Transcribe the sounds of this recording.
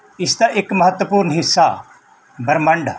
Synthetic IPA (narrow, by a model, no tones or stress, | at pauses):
ɪst̪aʔɪkmɐɦət̪wəpuːɾnɦɪsːa | bɐɾmɐɳɖ